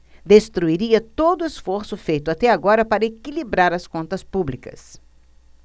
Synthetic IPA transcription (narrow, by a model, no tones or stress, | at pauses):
d̪est̪ɾuiɾiɐt̪od̪ʊesfoɾsʊfejt̪ʊat̪ɛaɡɔɾɐpaɾɐekilibɾaɾɐskõnt̪ɐspublikɐ̰s